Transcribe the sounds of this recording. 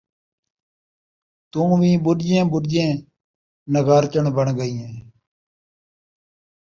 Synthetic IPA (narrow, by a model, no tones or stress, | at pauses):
t̪ũːʋĩːɓʊɗɪd͡ʒẽːɓʊɖɪd͡ʒẽː | nəɡaːɾt͡ʃəɳbəɳɡəiːɦɛ̃ː